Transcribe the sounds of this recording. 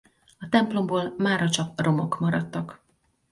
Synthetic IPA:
ɒt̪ɛmplo̞mboːlmaːrɒt͡ʃɒkro̞mo̞kmɒɾɒt̪ːɒk

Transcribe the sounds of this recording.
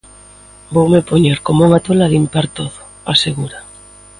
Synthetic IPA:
bowmepoɲeɾkomuŋat̪olalimpaɾt̪oðo̥ | aseɣuɾa

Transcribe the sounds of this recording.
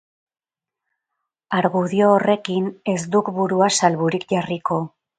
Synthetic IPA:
aɾɣuðio̞ːre̞kine̞sd̪ukbuɾuasalβuɾikʝariko̞

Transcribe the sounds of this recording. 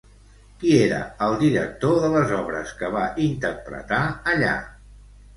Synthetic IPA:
kieɾə̰əlˠd̪iɾək̚t̪oðələzɔβɾə̰skəβaʔint̪ərpɾə̰t̪aəʎa̰

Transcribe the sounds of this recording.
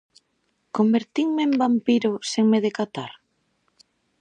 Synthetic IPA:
kombeɾt̪iŋmeembampiɾʊseŋmeðekat̪aɾ

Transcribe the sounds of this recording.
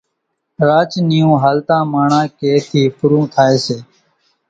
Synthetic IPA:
ɾaːt͡ʃniːũːɦaːlt̪ãːmaːɳãːkeːt̪ʰiːpʊɾũːt̪ʰaːeːseː

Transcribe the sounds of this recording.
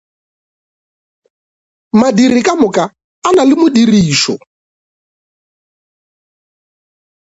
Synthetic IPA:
madiɾikʼamʊka | analɪmʊɗiɾiːʃɔ̰

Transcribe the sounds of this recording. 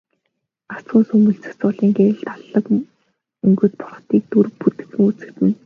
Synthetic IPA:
asʊːnsɵmɵ̆ɮt͡sɵ̥̆sʊɮiːŋɡeɾɘ̆ɬt̪aɮə̆k | ɵŋɡɵ̆t̪̚pʰʊrχ̆ʰt̪iːk̚t̪uɾput̪ɘ̥̆xɘ̆ŋut͡sɘ̆kt̪ɘ̆n

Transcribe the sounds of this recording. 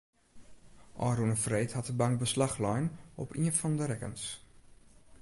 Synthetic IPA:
ʔɔːɾunəfreːthatəbaŋk̚bəslaxlɔjnɔpʰiənfɔndəɾɛkə̰ns

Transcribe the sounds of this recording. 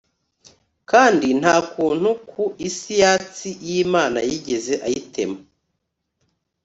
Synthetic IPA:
kaːndin̥haːkuːn̥hukʰuisijaːt͡sijiːmaːna̰jiɟe̞ze̞ʔajitʰe̞̰ma

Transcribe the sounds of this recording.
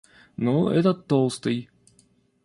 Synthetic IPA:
noɛ̰t̪ət̪ːolˠst̪ɨj

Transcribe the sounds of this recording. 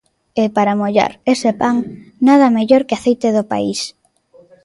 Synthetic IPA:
epaɾamoʎa̰ɾesepaŋnað̞ɐmeʎoɾkeaθejt̪eðopa̰ḭs

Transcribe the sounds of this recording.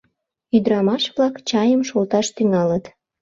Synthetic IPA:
yd̪əɾɑmɑʃβlɑkt͡ɕɑjəmʃolt̪ɑʃt̪yŋɑlət̪

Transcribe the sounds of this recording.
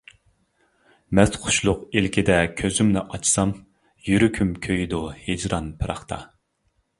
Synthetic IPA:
mɛsqʰʊ̥ʃlˠʊqilkʲʰid̪ɛkʲʰøzymnɪʔɑt͡ʃsɑm | jyɾykʲʰymkʲʰøjd̪uhed͡ʒɾɑnpʰɨɾɑ̰χt̪ʰɑ̰

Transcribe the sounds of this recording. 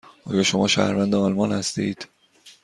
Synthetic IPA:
ʔɒːjɒːʃo̞mɒːʃæ̰hɾvænd̪eɒlmɒnhæst̪ḭːd̪̥

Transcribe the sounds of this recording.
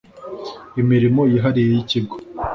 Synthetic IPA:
imiɾimo̞jiɦaɾije̞jiciɡo

